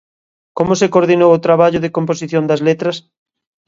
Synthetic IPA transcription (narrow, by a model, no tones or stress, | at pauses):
komosekoɾðinowot̪ɾaβaʎoðekõmposiθjõnd̪ɐzlet̪ɾɐs